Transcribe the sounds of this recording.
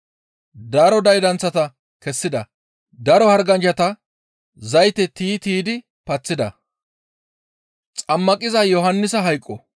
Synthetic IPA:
d̪ɐɾɔd̪ɐjd̪ɐnt͡sːɐt̪ɐ | kɛsːɪd̪ɐ | d̪ɐɾɔhɐɾɡɐnd͡ʒɐt̪ɐ | zɐjt̪ɛt̪iːt̪iːd̪ɪ | pɐt͡sːɪd̪ɐ̰ | t͡sʼɐmːɐkʼɪzɐjɔɦɐnːɪsɐɦɐjkʼːɔ

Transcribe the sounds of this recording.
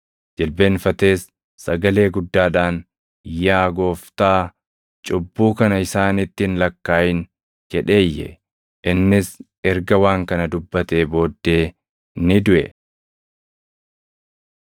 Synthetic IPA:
d͡ʒɛlbe̞ːnfɐt̪e̞ːsː | ɐɡɐle̞ːɡʊd̪ːaːᶑaːn | jaːɡo̞ːft̪aː | t͡ʃʼʊbːuːkɐnɐɪsaːnɪt̪ːɪnlɐkːaːjɪn | d͡ʒɛᶑe̞ːjːɛ̰ | ʔɪnːɪs | ɛɾɡɐwaːŋkɐnɐd̪ʊbːɐt̪eːbo̞ːd̪ːe̞ː | nɪd̪ʊʔɛ

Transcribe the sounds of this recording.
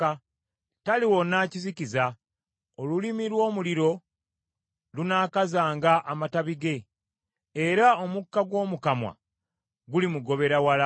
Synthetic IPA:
a | taliwo̞nːaːciziciza | olulimilwo̞ːmuliɾo̞ | lunaːkazaːŋɡaʔamataβiɡe̞ː | ɾao̞mukːaɡwo̞ːmukamwa̰ | ɡulimuɡo̞βe̞ɾawala

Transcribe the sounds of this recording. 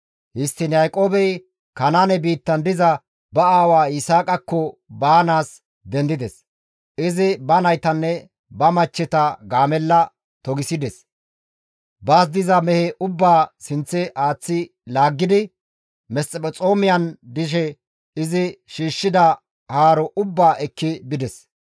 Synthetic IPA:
hɪst̪ːɪnjajkʼo̞ːbɛj | kɐnaːnɛbiːt̪ːɐnd̪ɪzɐ | bɐaːwaːɪsaːkʼɐkːɔbaːnaːs | d̪ɛnd̪ɪd̪ɛs | ɪzɪbɐnɐjt̪ɐnːɛ | bɐmɐt͡ʃːɛt̪ɐɡaːmɛlːɐ | t̪ɔɡɪsɪd̪ɛs | baːs̬d̪ɪzɐmɛhɛʔʊbːaːsɪnt͡sːɛʔaːt͡sːɪ | laːɡːɪd̪ɪ | mɛsʼɛpʼɔt͡sʼo̞ːmɪjɐnd̪ɪʃ̬ɛ | ɪzɪʃiːʃːɪd̪ɐ | haːɾɔʔʊbːaːʔɛkːɪbɪd̪ɛs

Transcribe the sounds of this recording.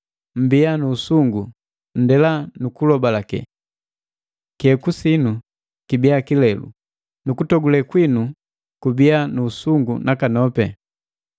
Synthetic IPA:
m̩bianuːsuŋɡu | n̩dɛlanukulɔbalakɛ̰ | kɛkusinu | kibiakilɛlṵ | nukutɔɡulɛkwinu | kubianuːsuŋɡunakanɔpɛ

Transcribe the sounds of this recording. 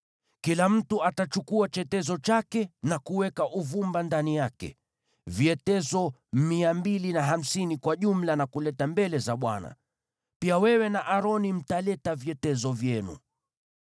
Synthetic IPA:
kilam̩tuatat͡ʃukuat͡ʃɛtɛzɔt͡ʃakɛnakuwɛkaʔuvumbandanijakɛ̰ | viɛtɛzɔmiambilinaɦam̩sinikwaʄum̩lanakulɛtambɛlɛzaɓwa̰na̰ | piawɛwɛnaʔaɾɔnim̩talɛtaviɛtɛzɔvjɛnṵ

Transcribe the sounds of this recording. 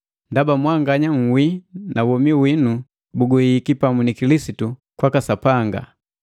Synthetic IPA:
ndabamwaŋɡaɲaŋ̩winawɔmiwinu | buɡɔhiːkipamunikilisitukwakasapaŋɡa̰

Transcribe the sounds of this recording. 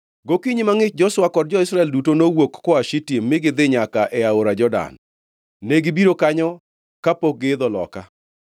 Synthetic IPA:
ɡokiɲimaŋɪt͡ʃ̚d͡ʒɔswakɔdd͡ʒɔɪsɾaɛldutonowokːɔaʃitjemːɪɡɪd̪ɪɲakaʔɛaoɾad͡ʒɔda̰nː | eɡɪbiɾokaɲɔ | kapok̚ɡɪːd̪ɔlɔ̰ka

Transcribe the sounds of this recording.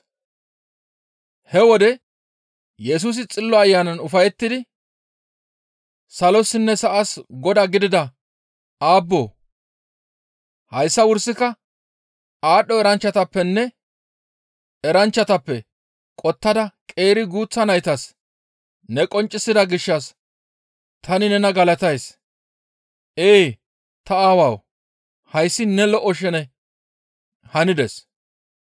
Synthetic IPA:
hɛwɔd̪ɛ | jɛs̬uːs̬ɪt͡sʼɪlːɔɐjːaːnɐnʊfɐjɛt̪ːɪd̪ɪ | sɐlɔsɪnːɛsɐʔɐsɡɔd̪ɐɡɪd̪ɪd̪ɐ | aːbːo̰ː | hɐjsːɐwʊɾsːɪkɐ | aːɗːɔɛɾɐnt͡ʃːɐt̪ɐpːɛnːɛ | ɛɾɐnt͡ʃːɐt̪ɐpːɛ | kʼɔt̪ːɐd̪ɐkʼe̞ːɾɪɡuːt͡sːɐnɐjt̪ɐs | nɛkʼɔnt͡ʃʼːɪsːɪd̪ɐɡɪʃːɐs | t̪ʰɐnɪnɛnɐɡɐlɐt̪ɐjs | ʔeː | t̪ɐaːwɐw | hɐjsːɪnɛlɔʔːɔʃɛnɛ | hɐnɪd̪ɛs

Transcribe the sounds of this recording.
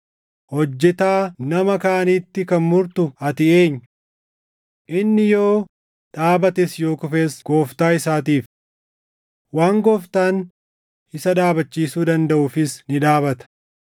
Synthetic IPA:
hɔd͡ʒːɛt̪aːnɐmɐkaːniːt̪ːɪkɐnmʊɾt̪ʊɐt̪ɪeːɲːʊ | ʔɪnːɪjo̞ː | ᶑaːbɐt̪ɛsjo̞ːkʊfeːsɡ̥oːft̪aːɪsaːt̪iːf | waːŋɡoːft̪aːn | ɪsɐd̪aːbɐt͡ʃːiːsuːd̪ɐnd̪ɐʔʊfɪsnɪᶑ̪aːbɐt̪ɐ̥

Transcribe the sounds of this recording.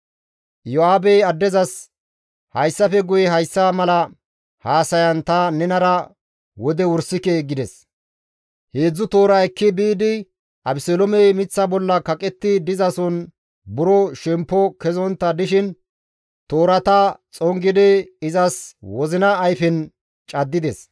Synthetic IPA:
jɔaːbɛjɐd̪ːɛzɐs | hɐjsːɐfɛɡʊjɛɦɐjsːamɐlɐ | haːsɐjɐnt̪ɐnɛnɐɾɐ | wɔd̪ɛwʊɾsɪkeɡɪd̪ɛs | heːd͡zːʊt̪oːɾɐɛkːɪbiːd̪ɪ | ʔɐbsɔlɔmɛjmɪt͡sːɐbɔlːɐkɐkʼɛt̪ːɪd̪ɪzɐsɔn | bʊɾɔʃɛmpːɔkɛzɔnt̪ːɐd̪ɪʃɪn | t̪o̞ːɾɐt̪ɐt͡sʼɔŋɡɪd̪ɛɪzɐswɔzɪnɐːjfɛn | t͡ʃʼɐd̪ːɪd̪ɛs

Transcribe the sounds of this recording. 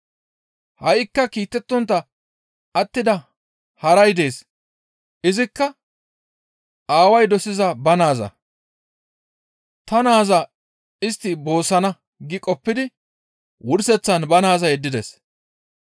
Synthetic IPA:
hɐjɪkːɐkiːt̪ːɛt̪ːɔnt̪ːɐ | ɐt̪ːɪd̪ɐ | hɐɾɐjd̪e̞ːs | ʔɪzɪkːɐ | aːwɐjd̪ɔsɪzɐbɐnaːzɐ̰ | t̪ɐnaːzɐ | ɪst̪ːɪbo̞ːsːɐnɐ | ɡɪkʼɔpːɪd̪ɪ | wʊɾsɛt͡sːɐnbɐnaːzɐjɛd̪ːɪd̪ɛs

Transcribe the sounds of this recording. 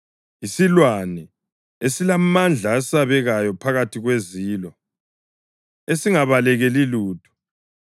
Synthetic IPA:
isilwanɛ | esilamand͡ɮʱaːsaβɛɣajɔpʰaɣatʰiɣweziːlɔ | esiŋaβalɛɣɛliluːtʰu̥

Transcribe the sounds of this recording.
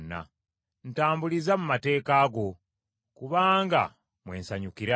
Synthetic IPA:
nːa̰ | n̩taːmbulizamumate̞ːkaːɡo̞ | kuβaːŋɡa̰ | mwe̞̰ːnsaɲukiɾa

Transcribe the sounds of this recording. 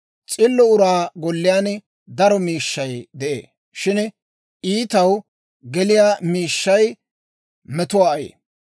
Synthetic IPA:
t͡sʼɪlːɔʊɾaːɡɔlːɪjaːn | d̪ɐɾɔmiːʃːɐjd̪ɛʔḛː | ʃɪn | iːt̪ɐw | ɡɛlɪjamiːʃːɐj | mɛt̪ʊwaːɐjḛː

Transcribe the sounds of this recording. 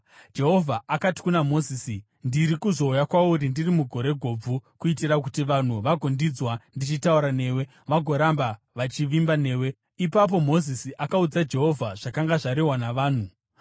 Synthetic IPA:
d͡ʒe̞ɦo̞vʱaʔakati̥kunamo̞ziːsi | ndiɾikuzo̞ujakwauɾindirimuɡʱo̞ɾe̞ɡʱo̞ːb͡vukuitiɾakutiʋan̤uʋaɡʱondid͡zwandit͡ʃitauɾane̞ːwe̞ | ʋaɡʱo̞ɾamba | ʋat͡ʃiʋimbane̞ːwe̞ | ipap̬o̞mo̞zisiʔakaud͡zad͡ʒe̞ɦo̞vʱaʐ̥akaŋɡaʐaɾiwanaʋaːn̤u

